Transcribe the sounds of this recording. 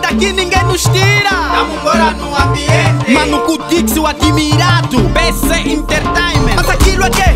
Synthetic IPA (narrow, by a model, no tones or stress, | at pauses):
d̪akinĩŋɡẽj̃nuʃt̪iɾɐamuoɾanũaviẽmɐ̃nukut̪iksuakimiɾat̪upeseʔĩnt̪eɾt̪ejmẽmɐzakiluake